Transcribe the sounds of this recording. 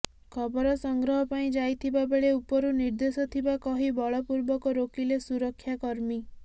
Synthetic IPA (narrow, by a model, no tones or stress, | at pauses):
kʰɔbɔɾɔsɔŋɡɾɔɦɔpaĩd͡ʒajt̪ʰibabeɭeupɔɾuniɾd̪esɔt̪ʰibakɔɦibɔɭɔpuɾbɔkɔɾokilesuɾɔkʰːjakɔɾmi